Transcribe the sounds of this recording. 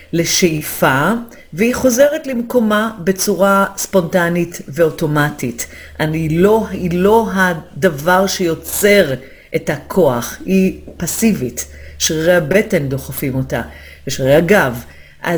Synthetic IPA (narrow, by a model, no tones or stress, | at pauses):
le̞ʃeifa | veiχo̞ze̞ʁetlemko̞mabe̞t͡suʁaspo̞ntanitve̞o̞to̞matit | ʔaniloilo̞ɦad̪avaʁʃe̞jo̞t͡se̞ʁ | ʔetakʰo̞aχipasivitʃʁʁejabe̞te̞nd̪o̞χafimo̞ta̰ | veʃʁejaɡav | ʔa